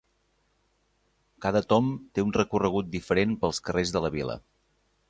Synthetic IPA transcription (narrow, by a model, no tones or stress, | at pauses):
kaðət̪ɔmt̪eunrəkurəɣ̞ut̪̚d̪ifəɾenpəlˠskərezðələβilə̰